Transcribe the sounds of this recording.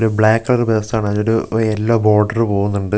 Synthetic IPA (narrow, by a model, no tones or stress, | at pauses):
ɾubɭaːkːɐlɐɾɨbest̪aːɳɐðoɾuelːoːbo̞ːrɖɐrpo̞ːɣunːuɳɖɨ